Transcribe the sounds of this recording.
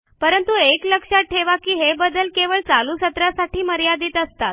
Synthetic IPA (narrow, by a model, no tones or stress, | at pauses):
pəɾənt̪uekləkʂaʈʰːeʋakiːɦebəd̪əlkeʋəɭt͡saluːsət̪ɾasaʈiːməɾjad̪iːt̪əst̪at̪̚